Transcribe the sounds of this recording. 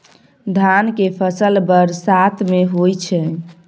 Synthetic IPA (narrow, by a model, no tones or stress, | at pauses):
d̪ʱankepʰəsəlbəɾsat̪ʰmeɦojt͡ʃʰɛ